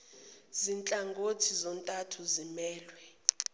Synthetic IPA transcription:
zint͡ɬʼaŋɡʱotʰizɔntʼatʰuzimɛːlwɛ

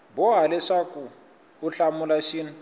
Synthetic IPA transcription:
bɔɦalɛʂakuː | ɬamulaʃiːnu

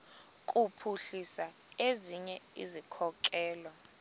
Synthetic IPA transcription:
kʼupʰuɬisa | eziɲɛḭzikʰɔkʼɛːla

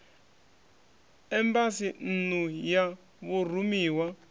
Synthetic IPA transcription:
ɛmbasin̩nuja | βur̤umiːwa

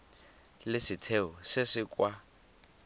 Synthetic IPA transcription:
lɪsitʰeʊsɪsɪkʼwa

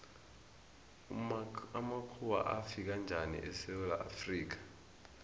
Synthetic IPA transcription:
amakʰuwa̰ʔafik̬and͡ʒʱanḭʔɛsɛwɛla̰ʔafriːk̬ḁ

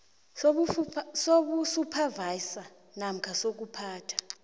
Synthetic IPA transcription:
soɓusupʰavaisa | nam̩kʰasok̬upʰaːtʰḁ

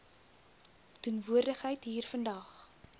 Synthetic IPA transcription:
tunvuərdəχɦəjtɦiːrfəndɐχ

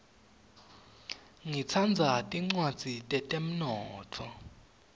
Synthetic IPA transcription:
ŋit͡sʰand͡zʱatʼiŋ͡ǀwad̥d͡z̥ʱitʼɛtʼem̩nɔːtʰɔ

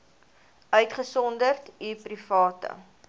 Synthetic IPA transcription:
œɥtχəsɔndərtiprifɑːtə̰

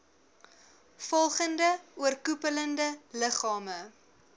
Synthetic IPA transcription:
fɔlˠχəndəuərkupələndələχɑːmə

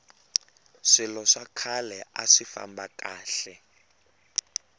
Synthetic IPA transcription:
ʂilɔʂakʰalɛʔa̰ʂifa̰mbakʼaːɬɛ

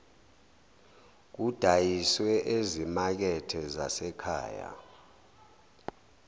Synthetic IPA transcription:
k̬ud̥ʱajiswɛʔezimak̬ɛtʰɛza̰sɛkʰa̰ːja̰

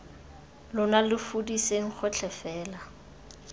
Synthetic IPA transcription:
lʊnalɪfudiseŋ̩χʊt͡ɬʰɛfɛːla

